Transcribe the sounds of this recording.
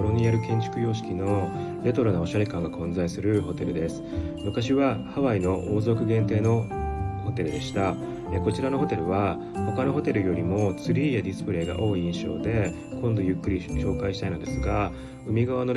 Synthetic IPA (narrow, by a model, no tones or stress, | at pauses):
ɾo̞ɲ̟ijaɾɯ̟kẽ̞ɲ̟t͡ɕɨ̥kɯ̟jo̞ːɕi̥kʲino̞ | ɾe̞t̪o̞ɾɯnao̞ɕaɾekãŋɡakʰõ̞nd͡zaisɨɾɯ̟ho̞t̪e̞ɾɯ̟d̪e̞sɨ̥ | mɯ̟kaɕiβahaβaino̞ʔoːzo̞kɯ̟ɡẽ̞nt̪e̞ːno̞ho̞t̪e̞ɾɯ̟d̪e̞ɕi̥t̪a | eko̞t͡ɕiɾano̞ɦo̞t̪e̞ɾɯ̟β̞a | ho̞kano̞ɦo̞t̪e̞ɾɯ̟jo̞ɾʲimo̞t͡sɨɾʲiːjad̪ʲisɨ̥pɯ̟ɾe̞ːɡa̰ʔo̞ːiĩɰ̃ɕo̞̰ːd̪e̞ | kʰõnd̪o̞jɯ̟kːɯ̟ɾʲiɕo̞ːkaiɕi̥t̪ainod̪e̞sɨɡa | ɯ̟mʲiɡaβano